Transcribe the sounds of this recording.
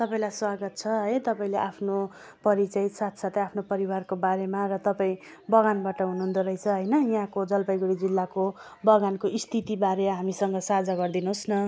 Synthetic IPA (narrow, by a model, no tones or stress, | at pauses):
t̪ʌpaĩlajswaɡʌt̪̚t͡sʰʌɦʌjt̪ʌpaĩleʔapʰno | pʌɾit͡sʌjsat̪ʰsat̪ʌapʰnopʌɾiwarkobaɾemarʌt̪ʌpaĩ | bʌɡanbaʈʌɦunuɦund̪oɾʌjt͡sʰʌɦʌjnʌjɦãkod͡zʌlpʌjɡuɽid͡zilːakobʌɡankoʔist̪ʰit̪ibaɾemaɦamisʌŋɡʌsad͡zaɡʌrd̪inuɦosnʌ